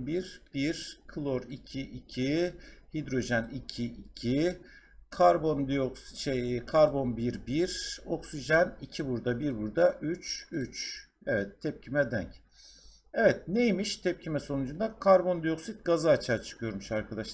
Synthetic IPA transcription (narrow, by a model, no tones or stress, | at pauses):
biɾb̥iɾkʰɯlˠo̞ɾicʰiʔicʰihid̪ɾo̞ʒɛnicʰiicʰi | kʰaɾbo̞nd̪ijo̞ksi̥ʃekʰaɾbo̞nbiɾbiɾo̞ksiʒanicʰibuɾd̪abiɾbuɾd̪aʔyt͡ʃyt͡ʃ | evɛt̪ʰːɛp̚cʰimɛd̪æɲc | evɛt̪̚nejmiʃt̪ʰɛp̚cʰimɛso̞nud͡ʒund̪akʰaɾbo̞nd̪ijo̞ksit̪̚ɡazaːt͡ʃʰaːt͡ʃʰɯ̥kʰɯjo̞ɾmuʃaɾkʰad̪aʃlˠ